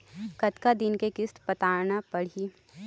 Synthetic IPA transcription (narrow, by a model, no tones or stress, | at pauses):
kɐt̪kad̪ɪnkekɪst̪pɐt̪aːɾnapɐɽ̤iː